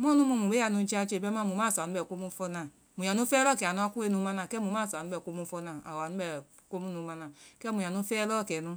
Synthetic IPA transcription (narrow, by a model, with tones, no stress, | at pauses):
m˦o˦nu˦mu˦mu˨be˦a˨nu˦t͡ʃi˦a˦t͡ʃe˦˨be˦ma˦˨mu˨ma˦˨snu˦ɛ˨ko˦mu˦fo˦na˨ | mu˨a˨nu˦fɛ˦lɔ˦˨ke˨a˨nu˦a˦ku˦e˦nu˧˦ma˦na˨kɛ˦mu˨˦m˦a˦˨sa˨u˦bɛ˨ko˦mu˦fo˦na˨a˨wa˨nu˦ɛ˨ | ko˦mu˦nu˧ma˦na˨kɛ˦mu˨ja˨nu˦fɛ˦lɔ˦˨ke˨nu˦